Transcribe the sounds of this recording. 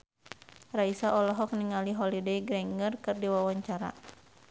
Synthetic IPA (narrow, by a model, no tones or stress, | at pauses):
raisaʔɔlɔɦɔk̚niŋaliɦɔlidɛiɡɾɛŋɡərkɨrdiwawaɲt͡ʃaɾa̰